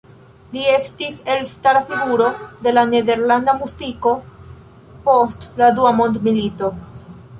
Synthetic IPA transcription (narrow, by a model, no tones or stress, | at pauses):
lie̞stise̞lstaɾafiɡuɾo̞de̞lane̞de̞ɾlandamuziko̞ | postladuamo̞ndmilito̞